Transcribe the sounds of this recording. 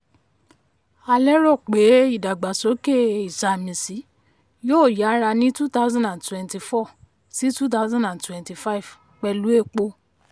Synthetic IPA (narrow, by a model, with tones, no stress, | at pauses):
a˧lɛ˦ɾɔ˦˨k͡pe˨˦i˦˨da˨ɡ͡ba˨so˨˦ke˦˨i˨sa˨mĩ˨si˨˦ | joː˦˨ja˨˦ɾa˧nĩ˦tu˦ta˦ʊ˦zã˦dã˨ntwɛ̃˨nti˧˨fɔ˦˨ | si˦tu˦t̬a˦zã˦ndã˨ntwɛ̃˨nti˧fa˦i˨v̥ | k͡pɛ˧lu˦e˦˨k͡po˦